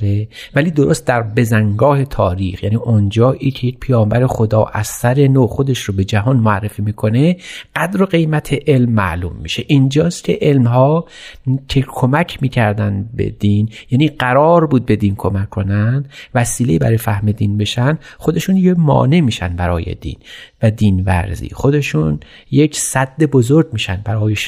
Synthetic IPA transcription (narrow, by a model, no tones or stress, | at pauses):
evæliːd̪oɾost̪̚d̪æɾbe̞zæŋɡɒːhe̞t̪ʰɒːɾiːxjæniːʔond͡ʒɒːʔiːcʰejec̚pʰejɒːmbæɾe̞xod̪ɒːʔæ̰zːæɾe̞noːxod̪e̞ʃɾobe̞d͡ʒæɦɒːnmoærːe̞fiːmiːkʰo̞ne̞ɢ̥æd̪ɾoɢe̞jmæt̪ʰe̞ʔe̞lmːæ̰ʔlṵːmːḭːʃe̞ʔind͡ʒɒːst̪cʲʰe̞̰ʔelmɦɒː | cʰe̞kʰomæcʰmiːcʰæɾd̪ænbe̞̰d̪iːnjæːniːɢæɾɒːɾbuːd̪̚be̞d̪iːnkʰomækʰːo̞nænd̪væsiːleiːbæ̰ɾɒːjfæhmed̪iːnbe̞ʃænd̪xo̞d̪e̞ʃunjemɒ̰ːne̞miːʃænbæɾɒːjḛd̪ḭːnvæd̪iːnvæ̰ɾzḭːxo̞d̪e̞ʃun | je̞cʰsæd̪ːe̞bozoɾɟmiːʃænbæɾɒːjeʃ